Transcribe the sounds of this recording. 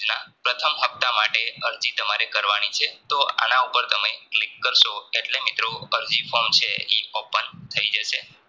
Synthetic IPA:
d͡ʒnapɾət̪ʰəmɦəp̚t̪amaʈeəɾd͡ʒit̪əmaɾekəɾʋanit͡ʃʰet̪oa̰naupəɾt̪əmeklɪkːəɾʃoeʈlemɪt̪ɾoəɾd͡ʒifomt͡ʃʰeiopənt̪ʰəid͡ʒəʃe

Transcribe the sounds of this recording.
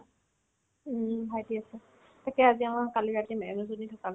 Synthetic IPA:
bʱajdiasɛ | takɛaziamakalibatimɛɛnɔzoditʰakab

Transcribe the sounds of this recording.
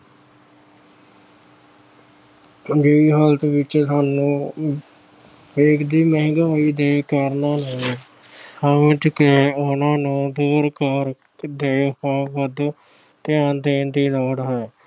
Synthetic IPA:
d͡ʒɪiːɦəlt̪ʋɪt͡ʃsaːnũː | eːkʰd̪iːmɛ̃ːɡaːiːd̪eːkəɾnaːnaːl | həʋɪʈkeʊnãːnũːd̪uːɾkəɾ | d̪eːhːʋəd̪ | t̪ɪjãːnd̪eːnd̪iːlɔːɽɦɛː

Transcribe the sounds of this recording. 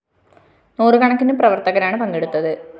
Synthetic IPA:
nuːrɨkɐɳɐkːinumprɐʋɐrt̪ɐɣɐɾaːɳɨpɐŋɡeɽut̪ːɐðɨ

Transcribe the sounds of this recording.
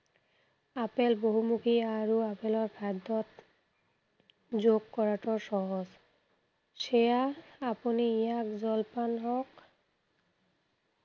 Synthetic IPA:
apɛlboɦumukʰiaɹuapɛlɔɹpʰadɔt̚ | zoɡkːɔɹatɔɹsɔɦɔz | sejaːpuniijak̚zɔlpanɦɔk

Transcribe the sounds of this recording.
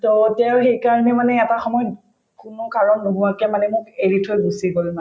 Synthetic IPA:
tɔtɛwxejkaɹɔnɛmanɛɛtaxɔmɔjɔ | kʊnʊkaɹɔnːoɦuwakɛmanɛmʊkeɹitʰojbusiɡolna

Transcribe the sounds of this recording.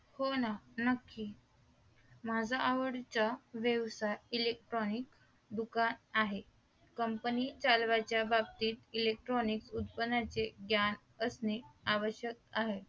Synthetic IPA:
honanəkːi | mad͡zʱaːʋəɽt͡saʋjəʋsajilek̚ʈɾɔnik | d̪ukanaɦe | kəmpənit͡salʋat͡ɕjabab̚t̪iːt̪ilek̚ʈɾɔniksut̪̚pənat͡seɡjan | əsneaʋəɕjək̚aɦe

